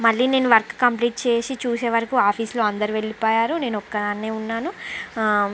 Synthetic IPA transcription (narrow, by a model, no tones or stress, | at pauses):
mɐɭːiːne̞ːnuʋɐɾkkɐmpliːʈ̚t͡ʃe̞ːsit͡ʃuːse̞ːʋɐɾɐkuaːpʰiːslo̞ːɐnd̪ɐɾiʋe̞ɭipoːjaːɾune̞ːnuɔkːɐaːnːeːunːaːnu